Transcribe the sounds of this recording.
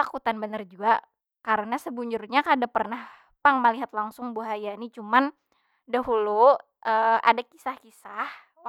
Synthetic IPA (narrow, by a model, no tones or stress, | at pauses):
t̪akut̪anbənard͡ʒuɡa | kaɾənasəbuɲd͡ʒʊrɲakadapərnah | paŋmaliɦat̪̚laŋsʊŋbuɦajanit͡ʃuman | daɦulu | ʔəa̰dakisahkisah